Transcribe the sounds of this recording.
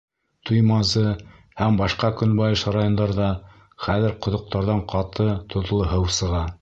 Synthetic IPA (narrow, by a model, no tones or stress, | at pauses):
t̪ʰujmɑzɤ | hæmbɑʃqɑkɵnbɑjɤʃɾajond̪ɑɾðɑ | χæðɘɾqŏðŏq̚t̪ɑɾðɑɴqʰɑt̪ɤt̪ʰŏðlˠɤɦɤwsɤ̆ʁɑ